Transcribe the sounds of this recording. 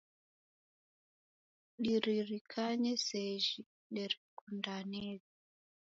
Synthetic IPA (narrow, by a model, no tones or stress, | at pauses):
ɗiɾiɾikʰaɲɛsɛʒi | nɛɾikundanɛzi